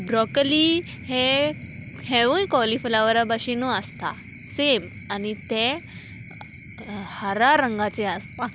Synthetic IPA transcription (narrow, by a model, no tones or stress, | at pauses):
bɾɔkəli | he | heʋũjkɔlifəlaʋəɾabaɕinuəst̪a̰ | sem | anit̪e | haɾaɾəŋɡat͡seaspã